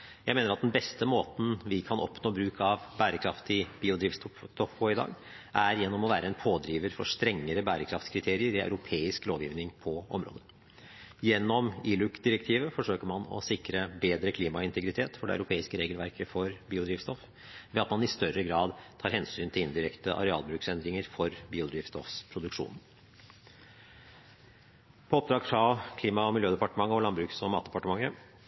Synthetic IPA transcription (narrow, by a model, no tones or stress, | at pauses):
jæɪmeːnəɾɑt̪̚d̪ɛnbɛst̪əmoːt̪n̩ʋɪkʰɑnɔ̰pnoːbɾʉːkʰɑʋbæːɾəkʰɾɑft̪ɪb̥iːʊd̪ɾiːʋst̪ɔt̪ɔfpʰoɪd̪ɑ̰ːɡ | ʔæɾjɛnːɔmɔʋæːɾəɛnpʰoːd̪ɾiːʋəɾfɔʂt̪ɾɛŋːəɾəbæːɾəkʰɾɑft̪skʰɾɪt̪ʰeːɾɪəɾɪæ̰ʉɾʊpʰeːɪskloːʋjiːʋnɪŋpʰɔɔ̰mɾo̰ːd̪ə | jɛnːɔmɪːlʉkd̪ɪɾɛkt̪ʰiːʋəfɔʂøːkəmɑnɔ̰sɪkɾəbeːd̪ɾəkʰliːmɑɪnt̪ʰəɡɾɪt̪ʰeːt̪fɔɖɛ̰æ̰ʉɾʊpʰeːɪskəɾeːɡəlʋæɾkʰəfɔɾbiːʊd̪ɾiːʋst̪ɔf | ʋɛɑt̪mɑnɪst̪œɾəɡɾɑːd̪t̪ʰɑːɾhɛnsyːnt̪ʰɪlɪnd̪ɪɾɛkt̪əʔɑ̰ɾɛɑ̰ːlbɾʉːksɛnd̪ɾɪŋəɾfɔɾbiːʊd̪ɾiːʋst̪ɔfspʰɾʊd̪ʉkʂṵːnn̩ | pʰɔɔp̚d̪ɾɑːɡfɾɑkʰliːmɑɔmɪljøːd̪ɛpɑʈəmɑŋːəɔlɑnbɾʉːksɔmɑːt̪̚d̪ɛpɑʈəmɑŋːə